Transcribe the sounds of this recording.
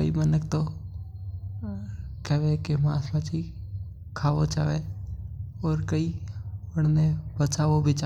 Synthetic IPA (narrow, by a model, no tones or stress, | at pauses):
əḭmənəkt̪o | kɛʋekemãːsmat͡ʃi | kʰaːʋot͡ʃaːʋe | ɔːɾkəiəɽnẽbət͡ʃaːʋobʱɪt͡ʃa